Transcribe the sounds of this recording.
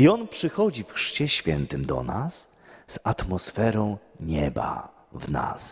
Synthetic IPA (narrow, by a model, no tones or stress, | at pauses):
iɔnpʂɘxɔd͡ʑifxʂt͡ɕɛɕfʲjɛnt̪ɘmd̪ɔ̰nas | z̥at̪mɔsfɛɾɔ̃w̃ɲɛba̰ | vna̰s